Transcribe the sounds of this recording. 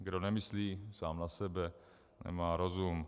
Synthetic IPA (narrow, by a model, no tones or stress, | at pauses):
ɡdonɛmɪsliːsaːmnasɛbɛ | nɛ̰maːɾozum